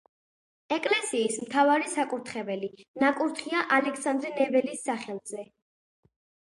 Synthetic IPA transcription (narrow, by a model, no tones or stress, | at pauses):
ɛkʼlɛsiːsmt̪ʰavaɾisakʼuɾt̪ʰχɛbɛlinakʼuɾt̪ʰχiaʔalɛksand̪ɾɛnɛbɛlisːaχɛlˠzɛ